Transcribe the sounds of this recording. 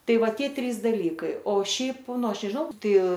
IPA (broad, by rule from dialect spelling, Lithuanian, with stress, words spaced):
ˈtɐɪ ˈʋɐ ˈtʲiɛ ˈtʲrʲiːs ˈdɑːlʲiːkɐɪ oː ˈʃʲɛɪp ˈnʊ ˈɐʃ nʲɛʒˈnɐʊ ˈtɐɪ